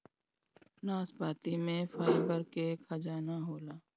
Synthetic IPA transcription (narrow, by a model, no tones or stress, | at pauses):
naːspaːt̪imẽfaːɪbəɾkekʰad͡ʒaːnaɦoːlaː